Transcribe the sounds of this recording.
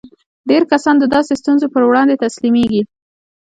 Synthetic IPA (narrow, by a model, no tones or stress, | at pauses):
ɖeɾkasɑnd̪əd̪ɑsest̪unzopəɾwɽɑnd̪et̪aslimeɡi